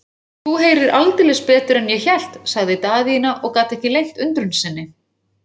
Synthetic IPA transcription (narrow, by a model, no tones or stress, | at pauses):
θuɦeːjɾɪɾʔalt̪ɪlɛspɛːt̪ʏɾɛnjɛçɛl̥t̪saɣðɪt̪aːðinaʔɔɣkaːt̪ɛhcɪlejŋ̥t̪ʏnt̪ɾʏnsɪnːɪ